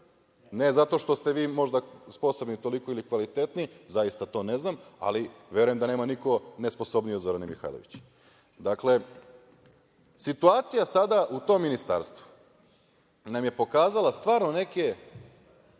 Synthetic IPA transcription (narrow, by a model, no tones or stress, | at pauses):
ne̞zat̪o̞ʃt̪o̞st̪e̞ʋiːmo̞ʒd̪aspo̞so̞bnit̪o̞liko̞ilikʋalit̪e̞t̪nizajist̪at̪o̞ːne̞znama̰liʋje̞ɾujemd̪ane̞ːmaniko̞nesposo̞bnijod̪zo̞ɾanemixa̰jloʋit͡ɕe̥ | d̪akle̞ | sit̪uaːt̪sijasad̪aʔut̪o̞mːinist̪a̰ɾst̪ʋu̥ | namje̞po̞kaːzalˠast̪ʋaːɾno̞ne̞ke